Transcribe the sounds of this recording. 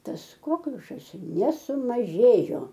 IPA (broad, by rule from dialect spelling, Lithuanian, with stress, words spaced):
ˈtɐs ˈkoːklʲʊʃɐs nʲɛsʊmɐˈʒʲeːjoː